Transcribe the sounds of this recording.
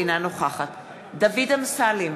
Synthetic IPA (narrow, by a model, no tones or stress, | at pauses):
inanoχaχat̪ | d̪avidamsalim